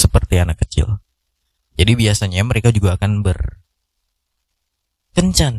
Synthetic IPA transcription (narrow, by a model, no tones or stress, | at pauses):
səpərt̪ianakːət͡ʃɪ̰l | d͡ʒadibiasaɲaməɾekad͡ʒuɡaːkanbər | kəɲt͡ʃan